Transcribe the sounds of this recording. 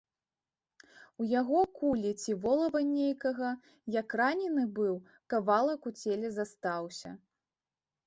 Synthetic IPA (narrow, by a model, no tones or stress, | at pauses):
ujaɣɔkulʲit͡sʲivɔlˠɐvɐnʲejkɐɣɐ | jakranʲɛnɨbɨw | kavalˠɐkut͡sʲelʲɛzast̪awsʲɐ̰